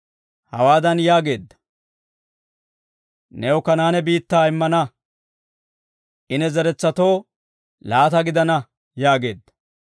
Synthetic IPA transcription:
hɐ̰waːd̪ɐnjaːɡe̞ːd̪ːɐ̥ | nɛɔkɐnaːnɛbiːt̪ːaːɪmːɐnɐ | ʔɪnɛzɛɾɛt͡sːɐt̪o̞ː | laːt̪ɐɡɪd̪ɐnɐ | jaːɡe̞ːd̪ːɐ̥

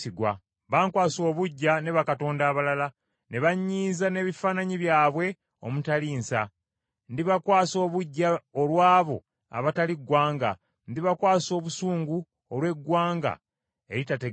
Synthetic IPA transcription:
iɡwa̰ | βaːŋkwaːso̞ːβuɟːane̞βakato̞ːndaːβalala | ne̞βaɲːiːzane̞ːβifaːnaɲiβjaːβwe̞ | o̞̰mutaliːnsa̰ | ndiβakwaːso̞ːβuɟːaolwaːβo̞̰ | a̰βataliɡwaːŋɡa̰ | ndiβakwaːso̞ːβusuːŋɡu | olwe̞ɡwaːŋɡa̰ | e̞ɾitate

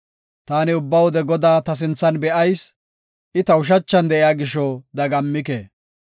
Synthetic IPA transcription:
t̪aːnɪʊbːɐwɔd̪ɛɡɔd̪aːt̪ɐs̬ɪnt͡sːɐnbɛʔɐjs | ʔɪt̪ɐʊʃ̬ɐt͡ʃːɐnd̪ɛʔɪjaːɡɪʃɔːd̪ɐɡɐmːɪkḛː

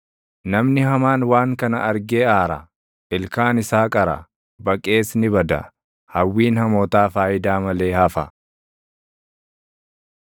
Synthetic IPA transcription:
nɐmnɪhɐmaːnwaːŋkɐnɐʔɐɾɡeːaːɾɐ̰ | ʔɪlkaːnɪsaːkʼɐɾɐ̰ | bɐkʼːe̞ːsnɪbɐd̪ɐ̰ | hɐwːiːnhɐmoːt̪aːfaːjɪd̪aːmɐle̞ːhɐfɐ

